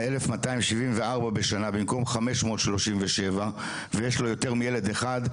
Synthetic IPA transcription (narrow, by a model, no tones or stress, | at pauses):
elefmataimʃivimve̞aʁbabe̞ʃanabimko̞mχame̞ʃmo̞ːtʃlo̞ʃimveʃeva | vejeʃlo̞jo̞te̞ʁmijele̞d̪eχad